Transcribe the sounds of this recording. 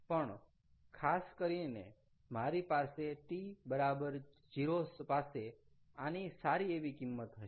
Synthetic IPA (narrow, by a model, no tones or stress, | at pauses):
pəɳ | kʰaskəɾine | maɾipaseʈibəɾabəɾ | d͡ʒiɾospase | anisaɾieʋikimːət̪ɦəʃe